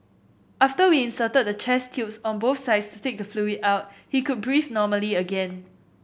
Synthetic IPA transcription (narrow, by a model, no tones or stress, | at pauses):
ʔaftəwiɪ̃nsətəd̚dət͡ʃʰɛstʰjupsɔ̃nboθsaɪdstutek̚dəfluitaʊt̚hikud̚bɹifnɔməliəɡɛ̃n